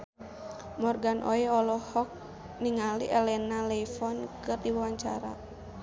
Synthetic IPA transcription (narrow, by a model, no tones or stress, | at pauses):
mɔrɡanʔɔ̰ɛɔlɔhɔk̚ | niŋaliʔɛlɛnalɛifɔnkɨrdiwawaɲt͡ʃa̰ɾa̰